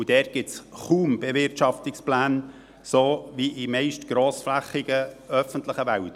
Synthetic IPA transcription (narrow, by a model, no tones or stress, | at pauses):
ud̥ɛːɡ̥ɪtt͡sχuːmb̥ɛvɪɾtʃɑft̪ɪksplæːn | soːviʔimɛɪʃtɡ̥ɾoːsflæχːiɡ̥əœfənt̪ləχəʋælt